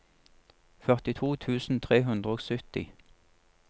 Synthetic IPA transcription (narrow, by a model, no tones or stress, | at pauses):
fœʁt̪ɪt̪ʰuːt̪ʰʉːsn̩t̪ʰʁeːɦʉnd̪ʁəoːɡsʏt̪ɪ̰